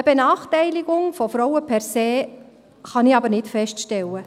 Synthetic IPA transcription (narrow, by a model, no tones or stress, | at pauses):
əb̥enɑːχtɛɪlɪɡʊŋfɔfɾɔwəpʰɛɾseː | χɑnɪɑbəɾnɪtfɛʃtʃtɛlə